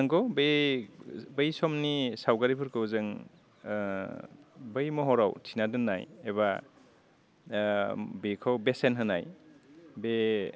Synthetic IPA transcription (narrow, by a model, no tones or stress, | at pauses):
aŋkɔbe | bɯjsɔmnisawɡaɾipʰɯɾkɯwzɯŋ | bɯjmɔɦɔɾawtʰinadɯnːajeβa | bikʰɔwbesenɦɯnaj | be